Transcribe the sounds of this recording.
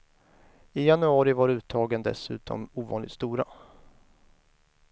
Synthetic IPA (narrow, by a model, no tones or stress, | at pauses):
ɪjanɵɑːɾɪvaɾʉ̟ːt̪ʰɑːɡənd̪ɛ̰sʉ̟̰ːt̪ʰɔ̰muːvɑ̰ːnlɪ̰ɡt̪st̪uːɾa